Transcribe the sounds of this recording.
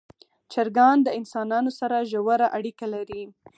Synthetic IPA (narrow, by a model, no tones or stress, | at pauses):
t͡ʃaɾɡɑnd̪əɪnsɑnɑnosaɾaʒawaɾaʔaɽikalaɾi